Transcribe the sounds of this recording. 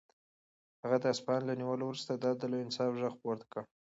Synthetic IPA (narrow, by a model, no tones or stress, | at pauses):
haɣad̪əaspɑnlaniwəlowɾust̪ad̪ɑd̪əloɪnsɑfʒəɣpoɾt̪ḁkə